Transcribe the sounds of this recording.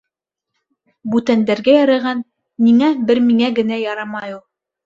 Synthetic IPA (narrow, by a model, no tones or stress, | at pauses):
bʉt̪ænd̪æɾɡæjɑɾɤ̆ʁɑnː | iŋæbɘɾmiŋæɡɘ̆næjɑɾɑmɑjulˠ